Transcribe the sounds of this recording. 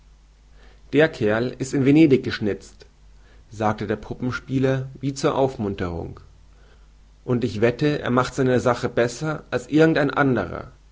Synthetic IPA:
d̥eːɐkʰɛɐlɪstɪnveneːdɪk̚ɡ̥əʃnɪt͡st | z̥aːk̚tədeːɐpʰʊpm̩ʃpiːlɐviːt͡suːɐʔaʊfmʊntəʁ̞ʊ̰ŋ | ʔʊntɪçv̥ɛtəḛːɐmaχtz̥aɪnɐzaχəbɛsɐʔalsʔɪɐɡŋ̩taɪnʔa̰ndəʁ̞ɐ̰

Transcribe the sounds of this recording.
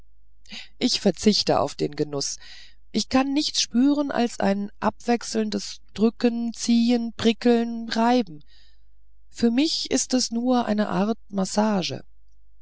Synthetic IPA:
ʔɪçfɛɐt͡sɪçtə̰ʔa̰ʊfd̥eːnɡənʊs | ʔɪçkʰanːɪçt͡sʃpyːʁənʔa̰lsʔa̰ɪnʔapv̥ɛksl̩ndəsd̥ʁʏkənt͡siːənpʁ̥ɪkl̩nʁaɪbm̩ | fyːɐmɪçɪ̰stɛsnuːɐʔa̰ɪnəʔaɐt̚masaːʒə̰

